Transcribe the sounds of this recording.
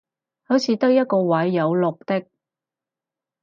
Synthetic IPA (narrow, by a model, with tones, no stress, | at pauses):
hɵ˨˥t͡sʰiː˨˧t̪ɐ˥k̚jɐ˥t̚kɔː˧wɐ˨˥jːɐ˨˧wlʊ˨k̚t̪ɪ˥k̚